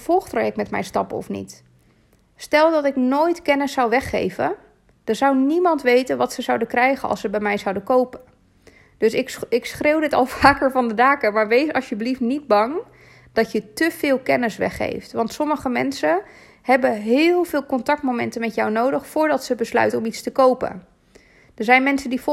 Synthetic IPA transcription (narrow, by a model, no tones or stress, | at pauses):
v̥ɔlˠχtrojɛk̚mɛtmɛ̰jstɑpɔ̰fnḭt | stɛlˠdɑtɪknoːjtkɛnəsːawʋɛχːḛjvə̰ | d̥əzawnimɑntʋejtənʋɑtsəzawdəkrɛjχənʔɑ̰lˠsəbɛjmɛjzʌwdəkowpən | d̥øsɪɪksχrewdɪtɑ̰lˠv̥aːkəɹvɑndədaːkəmaːɹʋejsɑlˠsjəbliftnid̚bɑŋ | d̥ɑtjətəv̥ɪːlˠkɛnəsʋɛ̰χːḛjftʋɑntsɔməχəmɛ̰nsə | ɦɛbəɦɪːlˠvɪːlˠkɔntɑk̚tmomɛ̰ntənmɛtjawnowdəχfʊːɹdɑtsəbəslœ̰ɥtəɔmitstəkowpə̰n | d̥əɹzɛjnmɛnsəndif